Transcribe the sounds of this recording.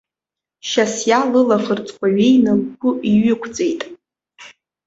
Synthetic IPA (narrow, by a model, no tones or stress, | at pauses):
ʃasjalɨlaχərt͡sʼkʷʰʼaɥejnɨlkʰʷʊiɥʏkʷʰt͡sʼe̞jtʼ